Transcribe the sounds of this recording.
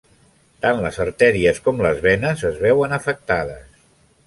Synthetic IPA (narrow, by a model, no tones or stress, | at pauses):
t̪anləzəɾt̪ɛɾiəskɔmləzβɛnəzəzβɛwənəfək̚t̪aðə̰s